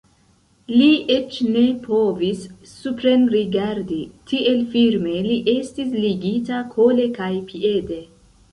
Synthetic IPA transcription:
liet͡ʃne̞pʰo̞visː | upɾenɾiɡaɾditie̞lfilme̞liʔe̞stisliɡitakʰo̞le̞kajpʰie̞de̞

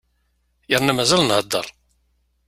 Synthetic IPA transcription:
jəɾˤnæmæzælnhəd̪ːə̰ɾˤ

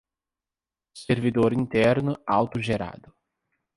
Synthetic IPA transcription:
seɾvid̪oɾĩnt̪ɛɾnʊawt̪ʊʒeɾa̰d̪ʊ

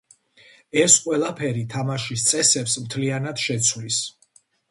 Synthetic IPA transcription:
ɛsqʼwɛlˠapʰɛɾit̪ʰamaʃist̪sʼɛsɛpsmt̪ʰlianad̪̥ʃɛt̪sʰwlis

